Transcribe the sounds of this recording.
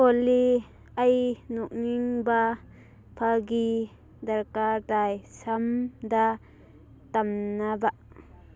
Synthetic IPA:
ɔli | ʔɐjnɔk̚niŋba | pʰaɡi | d̪ɐɾkad̪ajsamd̪a | t̪amnabaʔ

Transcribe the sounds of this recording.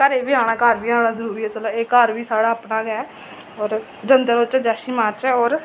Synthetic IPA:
kəɾeːbiːaːɽ̃aːkaɾʋiːaːɽ̃ãːzəɾuːɾiːɛːt͡ʃəlaːeːkaɾʋiːsaːɽaːpnãːɡɛː | ɔːɾ | d͡ʒənd̪eːt͡ʃːd͡ʒɛːʃiːmãːt͡ʃɛːɔːɾ

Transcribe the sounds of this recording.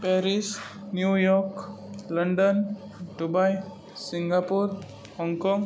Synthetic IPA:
pɛɾisnjujɔɾkləɳɖən | ɖubaj | siŋɡapuɾ | hɔŋkɔŋɡ

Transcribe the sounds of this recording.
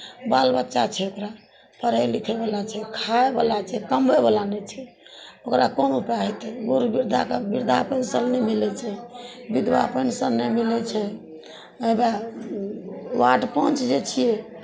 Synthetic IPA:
balbətːʃat͡ʃʰɛokɾa | pəɾəjlikʰɛbalat͡ʃʰɛkʰaebəlat͡ʃʰɛkəmbɛbəlanɛt͡ʃʰɛokɾakonopɾaɦɛt̪ɛbuɾbiɾd̪ʱa̰kbiɾd̪ʱapənsəlnɛmilɛt͡ʃʰɛ | bid̪wa̰pənsənnemilɛt͡ʃʰɛ | əba | waʈpɔ̃nt͡ʃd͡ʒet͡ʃʰijɛ

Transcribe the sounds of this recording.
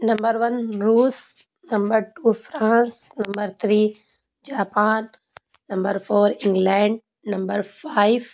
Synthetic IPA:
nɐ̃mbəɾʋɐ̃nɾuːs | nɐ̃mbəɾʈuːfɾãːnsnɐ̃mbəɾt̪ʰɾiː | d͡ʒaːpaːnː | ɐ̃mbəɾfoːɾɪ̃ŋɡlɛ̃ɳɖ | nɐ̃mbəɾfaɪʋ

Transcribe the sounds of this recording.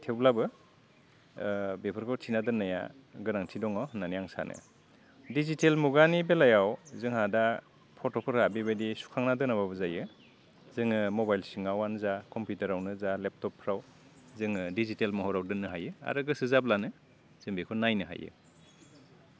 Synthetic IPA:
tʰewlabɯ | bepʰɯɾkʰɔwtʰinadɯnːaja̰ | ɡɯɾaŋtʰidɔŋɔnanijaŋsa̰nʔɯ̰ | dizitelmuɡanibelajawzɯŋhada | pʰɔtɔpʰɯɾhabiβadisu̥kʰaŋnadɯnaβabɯzajɯ | zɯŋɯmɔbajlsiŋawanzakʰɔmpjuteɾawnɯzalep̚tɔpʰːɾaw | zɯŋɯdizitelmɔɦɔɾawdɯnːɯɦajɯa̰ɾɯɡɯsɯzap̚lanɯ | z̥ɯŋbekʰɯnajnɯɦa̰jɯ̰

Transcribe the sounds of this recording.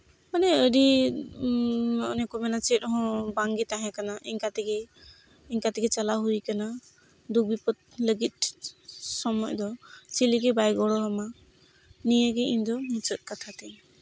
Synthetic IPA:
manɛəɖi | ɔ̰nɛkɔmɛnat͡ʃɛt̪̚ˀɦɔ̃baŋɡɛt̪aɦɛ̃kanaʔiɲkat̪ɛɡɛ | iɲkat̪ɛɡɛt͡ʃalaɦuikana | d̪uk̚bipɔt̪̚ləɡit̪̚ | sɔmɔjd̪ɔt͡ʃiliɡɛbajɡɔɽɔɦama | nijəɡɛimd̪ɔmũt͡ʃət̪̚ˀkat̪ʰat̪ɛ

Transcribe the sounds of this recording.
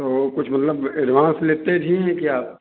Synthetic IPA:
t̪okʊt͡ʃʰmɐt̪ləbɪɾʋãːsleːt̪ed̪ʱiɦɛ̃kjaː

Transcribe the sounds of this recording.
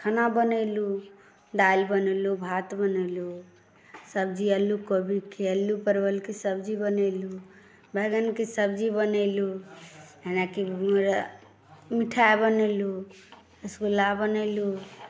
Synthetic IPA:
kʰənabənəlu | d̪albənəlubʱat̪bənəlu | səb̚d͡ʒiəlːukəbikeəlːupəɾbəlkesəbd͡ʒibənəlu | bʱɛɡənkesəbd͡ʒibənəlu | ɦenakiməɾ | miʈʰaebənelu | əskolabənəlu

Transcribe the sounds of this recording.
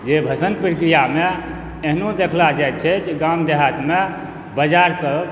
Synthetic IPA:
d͡ʒebʱəsənpɾikɾijame | eɦnõd̪ekʰlad͡ʒajt͡ʃʰɛt͡ʃeɡamd̪eɦat̪me | bəd͡ʒaɾsəb

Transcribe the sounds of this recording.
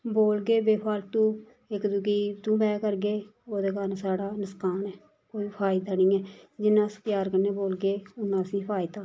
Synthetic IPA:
boːlɡeːbeːpʰaːlt̪ũː | ɪkd̪ukiːt̪ũːbɛːkəɾɡeːoːd̪eːkənsaːɽaːnəskaːnɛː | koːiːpʰaːɪd̪aːnĩːɛːd͡ʒɪnːãːst̪jaːɾkəneːboːlɡeːʊnːãːəsĩːpʰaːɪd̪aː

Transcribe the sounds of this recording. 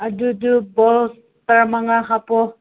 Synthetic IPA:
adudubɔls | t̪aɾamaŋakapɔ

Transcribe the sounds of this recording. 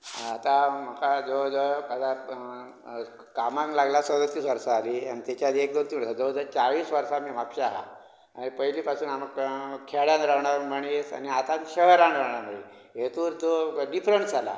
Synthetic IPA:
t̪am̤əkad͡zod͡zəad̪a | kamãŋklaɡlasəd̪ət̪ːiːsʋəɾsaːlia̰nit̪et͡ɕjad̪iek̚d̪ont̪imɽsad͡zod͡zət͡saɭiːsʋəɾsamiːʋakɕaɦa̰ | a̰nipəɦiliːpasuːnamkʰeɽjãnɾawɳaɾməɳiesa̰niat̪at̪ɕəɦəɾãnɾawɳaɾm̤əi | ɦet̪uːɾt̪oɖifɾəɳʈd͡zala̰

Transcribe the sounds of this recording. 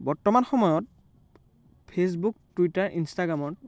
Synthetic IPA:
bɔɹtɔmanxɔmɔjɔt̚ | pʰes̬buk̚tuitaɹʔinstaɡɹamɔɹ

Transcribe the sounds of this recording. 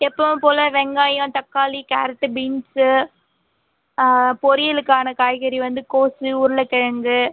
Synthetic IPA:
ɛpːɐ̃poːlɐʋɛŋɡaːjɐ̃t̪ɐkːaːlika̰ːɾɐʈːɯbiːnsɯ | pɔɾɪjɪlɯkːaːnɐkaːjɣɐɾiʋɐnd̪ɯkoːsɯʊɾɯlɐkɛɻɐŋɡɯ

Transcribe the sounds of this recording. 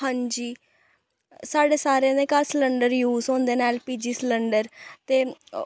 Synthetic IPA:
ɦə̃nd͡ʒiː | saːɖeːsaːɾeãd̪eːkalsləɳɖəɾjuːzɦõːnd̪eːneɛːlpiːd͡ʒiːsləɳɖəɾt̪eː

